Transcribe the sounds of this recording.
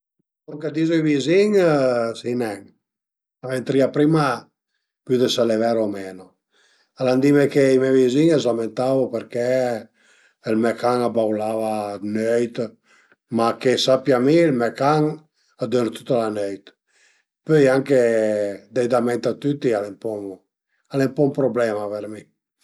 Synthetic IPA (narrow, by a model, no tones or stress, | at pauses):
kɔŋkad̪izoiviziŋsinɛŋ | avent̪ɾiapɾima | pyd̪esalevaɾomɛno | aland̪imekeimɛviziŋɛzament̪avopeɾkɛ | lmɛkaŋabawlavanøjt̪ | makesapjamilmɛkaŋ | ad̪øɾt̪u̥t̪ːalanøjt̪ | pøjaŋked̪ɛjd̪amɛnt̪at̪yt̪ːialɛmpɔ | alɛmpɔumpɾoblɛmaveɾmi